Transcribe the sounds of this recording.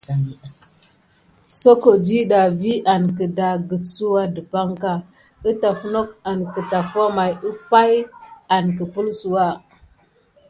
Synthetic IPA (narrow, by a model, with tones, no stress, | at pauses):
so˦ko˨d͡ʒi˦ɗa˨vi˦ʔa˨nkə˨da˨ɡə˨t͡su˦wa˦də˨pa˦ŋka˦ | ə˦ta˨fno˦k̚a˨nkə˨ta˨fa˦ma˨jə˦pa˦ja˨nkə˨pə˦lsu˨wa˦˨